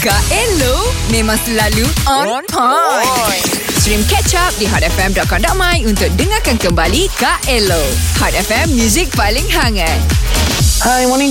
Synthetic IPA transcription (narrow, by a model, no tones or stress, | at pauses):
kaʔɛlomẽmãŋsəlaluɔ̃nnɔ | sɹĩmkɛʔt͡ʃap̚diɦɔtɛfɛ̃mdɔt̚kɔndɔʔ̚mãjunt̪ʊk̚dəŋakankəmbalikaʔɛlohɔt̚ɛfɛmːjuzik̚palɪ̃ŋhaŋãt̚ | awɔnĩ